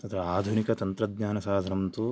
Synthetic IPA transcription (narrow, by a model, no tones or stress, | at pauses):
t̪ɐt̪ʰɾɐaːd̪ʱunikɐt̪ɐnt̪ɾɐd̪ɲaːnɐsaːd̪ʱɐɾɐmt̪u